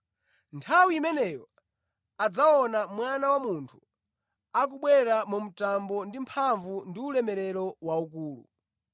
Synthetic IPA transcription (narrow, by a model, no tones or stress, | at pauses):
ntʰawiːmɛnɛjɔ | ad͡zaɔnamwanawamuntʰu̥ | ak̬uɓwɛɾamum̩tambɔndimpʰaɱvundiulɛmɛɾɛɾɔwauk̬uːlṵ